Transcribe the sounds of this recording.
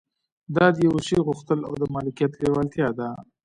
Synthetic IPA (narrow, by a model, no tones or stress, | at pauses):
d̪ɑd̪jawuʃiɣʊxt̪əla̰wd̪əmɑlɪkijat̪lewalt̪jɑd̪a